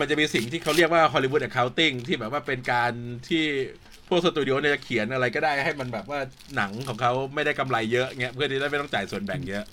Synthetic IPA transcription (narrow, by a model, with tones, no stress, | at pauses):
ma˧nt͡ɕa˨˩ʔmiː˧si˨˩ŋt̪ʰiː˥˩a˦˥ɾi˥˩ək̚waː˥˩ɦʰɔː˧li˧wu˦˥t̪̚t͡ɕa˨˩kʰa˦˥wt̪i˥˩ŋt̪ʰiː˥˩bɛː˨˩waː˥˩pe˧nkaː˧nt̪ʰiː˥˩ | pʰu˥˩ək̚so˧t̪uː˧di˧ʔoː˧ni˥˩t͡ɕa˨˩kʰi˨˩˦ənʔa˧ɾa˧jkɔː˥˩daː˥˩jha˥˩jma˧nbɛː˨˩p̚waː˥˩ | na˩˦ŋkʰɔː˩˦ŋkʰa˦˥wma˥˩jda˥˩jka˧mla˧jːɤ˦˥ʔŋi˦˥ɐʔʰɯ˥˩t͡ɕːma˥˩t̪ɔ˥˩t͡ɕaː˨˩jsu˨˩ənbɛ̰ː˨˩k̚jɤ˦˥ʔ